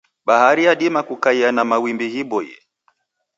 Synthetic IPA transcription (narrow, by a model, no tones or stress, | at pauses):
ɓahaɾijaɗimakukaianamawimbihiɓɔjɛ̰